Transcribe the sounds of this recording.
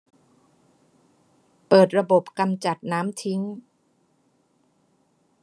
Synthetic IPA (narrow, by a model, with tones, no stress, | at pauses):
pɤː˨˩t̪̚ɾa˧bo˨˩p̚ka˧mt͡ɕa˨˩t̪̚naː˦˥mt̪ʰi˦˥ŋ